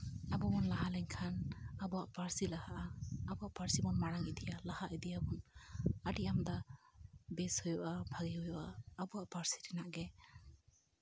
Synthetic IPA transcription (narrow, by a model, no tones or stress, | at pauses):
abɔmɔnlaɦalɛŋkʰanabɔaʔpaɾsilahaʔaːbɔaʔpaɾsibɔnmaɽaŋid̪ʰijalahaʔid̪ijabɔnaɖiʔamd̪a | bɛshɔjɔʔabʱaɡihɔjɔʔaːbɔaʔpaɾsi̥ɾɛnaʔɡɛ